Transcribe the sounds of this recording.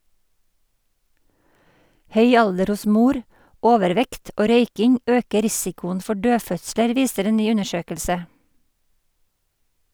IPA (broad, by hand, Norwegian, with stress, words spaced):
ˈhœʏ ˈɑldəɾ ˈʊs ˈmuːɾ ˈoːʋəɾˌʋɛkt ˈoː ˈɾœʏkɪŋ ˈøːkə ˈɾɪsɪkʊən ˈfɔ ˈɖøːˌfœtsləɾ ˈʋiːsəɾ ˈeː ˈnyː ˈʉnəˌʃøːkəlsə